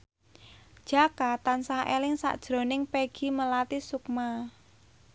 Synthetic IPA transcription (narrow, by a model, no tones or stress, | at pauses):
d̥ʒ̥a̤kat̪ansahʔelɪŋsa̰ʔd̥ʒ̥ɾo̤nɪŋpeɡ̥i̤məlat̪isukma